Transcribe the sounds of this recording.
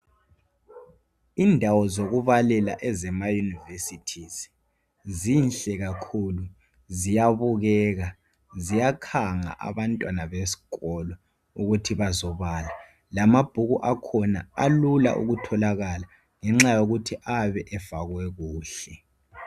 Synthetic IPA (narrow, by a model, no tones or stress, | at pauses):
indʱawɔzoɣuβalɛla̰ʔɛzɛmajunivesitʰiz | zinɬɛɣakʰulu | zijaβuɣɛːɣa | zijakʰaŋa̰ʔa̰βantʼwanaβesi̥ɣɔlɔ | uɣutʰiβazɔβaːla | lamab̥ʱuɣuʔakʰɔnaalula̰ʔṵɣutʰɔlaɣala | ŋɛŋ͡ǁajoɣutʰiʔaβɛʔɛv̥aɣwɛɣuːɬɛ